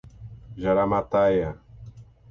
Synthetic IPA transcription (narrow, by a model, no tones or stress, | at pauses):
ʒaɾamat̪aja